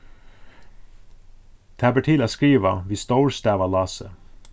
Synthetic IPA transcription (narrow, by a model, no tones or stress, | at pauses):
t̪ʰæbəʈʰiːlɑskɾiːʋəʋiːst̪oʊɹst̪æːʋɑlɑːsə̰